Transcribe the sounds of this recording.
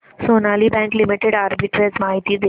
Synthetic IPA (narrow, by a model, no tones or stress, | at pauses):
sonaliːbɛ̃ŋklimiʈeɽaɾbiʈɾezmaɦit̪iːd̪e